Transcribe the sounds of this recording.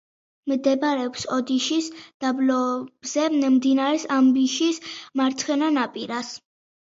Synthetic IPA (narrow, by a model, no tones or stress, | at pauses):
md̪ɛbaɾɛɔpsɔd̪iʃisd̪̥ablɔb̥z̥ɛmd̪inaɾɛsambiʃismaɾt̪sʰχɛnanapʼiɾas